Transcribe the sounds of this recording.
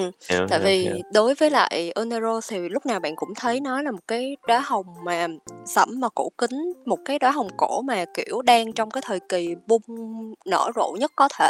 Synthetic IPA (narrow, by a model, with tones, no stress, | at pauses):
ʔɨ˨˩t̪a̰ː˧˨jvi˨˩ɗo˨˦jvəː˨˦jla̰ː˧˨jʔo˧nə˧zo˧t̪ʰi˨˩lʊ˦˥k͡p̚naː˨˩wɓa̰ː˧˨nkʊ̰˧˥ŋ͡mt̪ʰə˨˦jnɔ˨˦laː˨˩mo˨˩t̚kaː˨˦jɗwaː˨˦jɦə˨˩wŋ͡mmaː˨˩sə̰˧˩mːaː˨˩ko̰˧˩kï˨˦ŋ̟mo˨˩t̚kaː˨˦jɗwaː˨˦ɦə˨˩wŋ͡mko˧˩maː˨˩ki˧˩əwɗaː˧ŋt͡ɕɔ˧wŋ͡mkaː˨˦jt̪ʰəː˨˩jki˨˩ɓʊ˧ŋ͡mnə̰ː˧˩zo̰˧˨ɲə˦˥t̚kɔ˨˦t̪ʰe˧˩˨